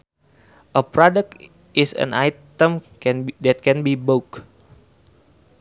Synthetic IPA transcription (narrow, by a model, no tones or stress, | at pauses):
ʔəpɾɔdək̚t | ʔɪsə̰̃najt̪ə̃m | ndɛt̪̚kɛ̃nbibok